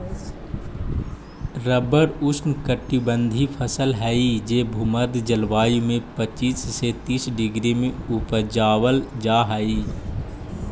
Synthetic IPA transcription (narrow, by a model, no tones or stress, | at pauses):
ɾəbəɾʊsnkəʈːibə̃nd̪ʱipʰəsəlɦɛid͡ʒeːbʱuməd̪d͡ʒəlʋaːjimẽpət͡ʃiːsːet̪iːsɖɪɡɾimẽʊpəd͡ʒaːwəld͡ʒaːɦəi